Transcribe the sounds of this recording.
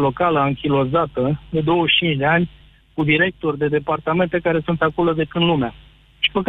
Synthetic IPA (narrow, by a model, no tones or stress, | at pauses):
lo̞kaləaŋkʲilo̞zat̪əd̪e̞d̪o̞wəʃt͡ʃint͡ʃd̪eanʲ | kud̪iɾe̞k̚t̪o̞rʲd̪e̞d̪e̞part̪ame̞nt̪e̞kaɾe̞sunt̪akuləd̪e̞kɨnd̪lumea | ʃi̥pək